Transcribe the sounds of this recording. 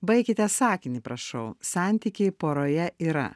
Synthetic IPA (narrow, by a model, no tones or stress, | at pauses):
bɐɪkʲɪt̪ʲɛsɑːkʲɪnʲipɾɐʃɐʊsɑˑnʲt̪ʲikʲeɪpoːɾoːjɛiːɾɐ̰